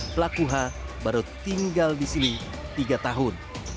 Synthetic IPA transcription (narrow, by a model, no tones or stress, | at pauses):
plakuɦabaɾut̪ːiŋɡaldisini | t̪iɡat̪aɦʊn